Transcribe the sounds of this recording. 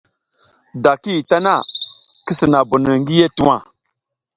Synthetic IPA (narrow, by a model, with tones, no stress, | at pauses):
da˨ki˦˨ta˦na˦ | ki˦sə˨na˨bu˨nə˨ŋɡi˦je˦tu˦wa˨